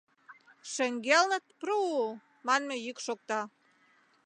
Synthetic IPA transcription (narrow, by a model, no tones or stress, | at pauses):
ʃə̆ŋɡelnə̆t̪̚pru | mɑnmĕjykʃok̚t̪ɑ